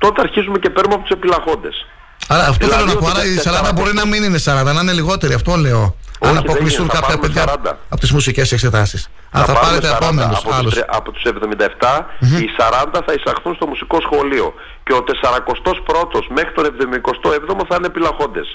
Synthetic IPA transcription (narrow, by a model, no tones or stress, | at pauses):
t̪o̞t̪eɐɾçizumece̞peɾnumeɐpot̪usepilɐɣo̞nd̪e̞s | ɐɾɐːft̪oθelonɐpoɐɾɐissɐɾɐnd̪ɐbo̞ɾinɐminine̞sɐɾɐnd̪ɐnɐineliɣo̞t̪e̞ɾiɐft̪ole̞o̞ɐnɐpo̞klisuŋkɐpçɐpeðʝɐɐnd̪ɐ̰ɐpot̪izmusice̞sekse̞t̪ɐsis | ɐ̰nθɐpɐɾet̪epomenosɐlosɐ̰pot̪u̥se̞vðomind̪ɐeft̪ɐisɐɾɐnd̪ɐθɐisɐxθunst̪o̞musiko̞sxo̞lio̞̰ | ceot̪e̞sɐɾɐko̞st̪o̞spɾo̞t̪o̞zme̞xɾit̪o̞nevðomiko̞st̪oevðomoθɐinepilɐɣo̞nd̪e̞s